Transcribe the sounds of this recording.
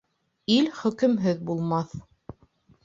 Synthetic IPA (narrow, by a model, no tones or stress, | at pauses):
ilχɵ̆kɘ̆mɦɘðbulˠmɑθ